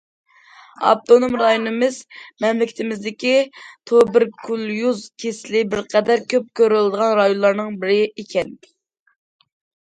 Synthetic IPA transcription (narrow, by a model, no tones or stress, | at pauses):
ɑ̰p̚t̪onomɾɑjonɨmɪzmɛmlɪkʲʰt̪ʰɪmɪzd̪ɪkʲit̪ʰobɪɾkʰulˠjuzkʲʰeslɪbɪɾqʰɛd̪æɾkʲʰøp̚kʲøɾɪlɨd̪əʁɑnɾɑjonlˠɑɾnɨŋbɪɾɪekʲʰɛn